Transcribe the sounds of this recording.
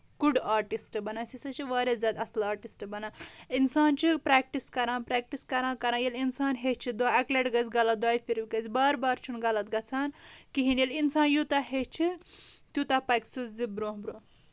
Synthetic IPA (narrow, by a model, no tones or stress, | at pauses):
ɡ̥uɖaːɾʈisʈbɐnãsisɐt͡ʃʰiʋaːɾʲezʲaːd̪ɐslaːɾʈisʈbɐnaːinsaːnt͡ʃʰipɾaːk̚ʈiskɐɾãːnpɾaːk̚ʈiskɐɾãːkɐɾãːjelinsaːnɦet͡ʃʰid̪aːɐkleʈɡɐt͡sʲɡɐlɐt̪̚d̪aːjpʰiɾbʲikɐt͡sbaːɾbaːɾt͡ʃʰunɡɐlɐt̪̚ɡɐt͡sʰaːnkiɦinjelinsaːnjut̪aɦet͡ʃʰit̪ʲjut̪apɐjkt͡sʰɨzibɾõːɦbɾoː